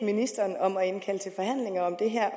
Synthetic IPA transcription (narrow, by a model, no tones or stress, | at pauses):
minisd̥ɐːnɒ̽mɒe̝nkʰæl̰t͡sʰe̝lfɒ̽hæn̰le̝ŋɐɒ̽md̥e̝ɦæɐ̰